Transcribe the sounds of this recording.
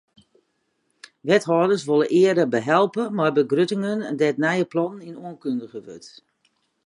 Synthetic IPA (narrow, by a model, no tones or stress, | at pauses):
ʋɛtɦɔːdərsʋolˠəʔɪədəbəɦɛlˠpəmarbəɡrøtɪŋəndɛtnɛjəplɔnəninuənkøndəɣəʋø̰t